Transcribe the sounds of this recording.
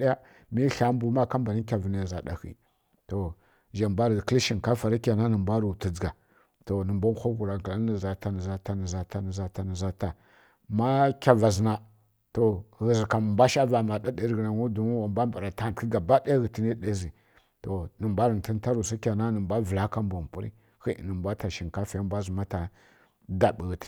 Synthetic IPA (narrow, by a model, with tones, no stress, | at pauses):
ja˦ | mi˦ɬa˦m˦bu˨ma˦ka˦mba˨ni˦kʲa˨və˨na˨za˨ɗa̰˨xḭ˨ | to˨ | ʒa˨mba˦ɾɣkə˦li˦ʃi˨n˨ka˦fa˨ɾa˦kʲa˨na˦nə˨mba˦ɾu˨tə˨d͡zɡa˨ | to˨nə˨mba˦n˦xʷa˦ɣu˨ɾa˨kla˦ə˨za˨ta˦nə˨za˨ta˦nə˨za˨ta˦nə˨za˨ta˦nə˨za˦ta˨ | ma˦kʲa˨va˨zna˨ | to˨ɣə˨zi˨ka˨m˨mbʷa˦ʃa˦va˨ma˨da˦de˨˦ɾɣna˨ŋu˦du˨mu˦wa˨mbʷa˦mba˨ɾa˨ta˦˨ki˦ɡa˨ba˦da˦ɣə˨ti˦ni˦ɗe˦zi˨ | to˨nə˨mbʷa˦ɾə˨n˨ti˦n˦ta˦ɾu˨sa˦kʲa˨na˦nə˨mbʷa˦və˨la˦ka˦mba˨m˨pu˦ɾḭ˦ | xḭ˦˨nə˨mbʷa˦ta˨ʃi˨ŋka˦fa˨ja˦mbʷa˦zu˨ma˦ta˨ | da˨ɓə˨ɣə˨t